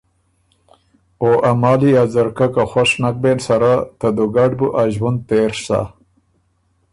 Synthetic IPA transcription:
oʔamɑːlijazaɾkakaxaʂnak̚bensaɾat̪ad̪uɡaɖbuʔaʒwand̪̚t̪eɾsa̰

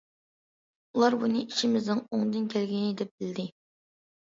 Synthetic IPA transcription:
ulˠɑɾbunɨʔiʃimɪznɨŋoŋd̪ɨnkʲʰɛlɡʲinɪd̪ɛp̚b̥ɪld̪ɪ

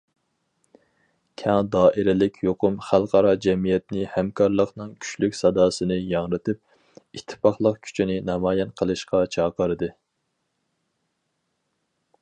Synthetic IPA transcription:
kʲʰɑŋd̪ɑːʔɪɾɪlɪkʲʰjoqʊmχælˠqʰɑɾɑd͡ʒɛmijɛt̪nɪhɛmkʰɑɾlˠəqnɨŋkʲʰy̥ʃlykʲsɑd̪ɑːsɨnɨjɑŋɾɨt̪ɨp̚ | it̪ʰːɪ̥pɑχlˠəqkʲʰy̥t͡ʃʰinɪnɑmɑːjɛnqʰəlˠɨʃqɑt͡ʃʰɑːqəɾɨd̪ɨ

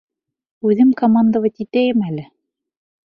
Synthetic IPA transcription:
ʉðɘmkomand̪əvɤt̪it̪æjɘmælɘ

